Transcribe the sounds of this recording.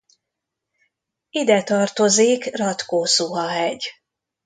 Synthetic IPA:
id̪ɛt̪ɒrt̪o̞ziːkrɒt̪koːsuɦɒɦɛɟ

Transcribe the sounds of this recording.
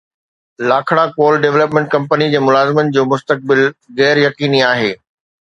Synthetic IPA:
laːkʰɽakoːlɖeʋləpmẽɳʈ̚kɐ̃mpənid͡ʑeːmʊlaːzɪmənɪ̆d͡ʑoːmʊst̪ək̚bɪlɣɛːɾjɐkiːniaːɦeː

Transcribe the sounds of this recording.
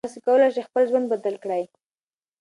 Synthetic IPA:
sekawəlajʃexpəlʒwand̪̚bad̪alkɽaj

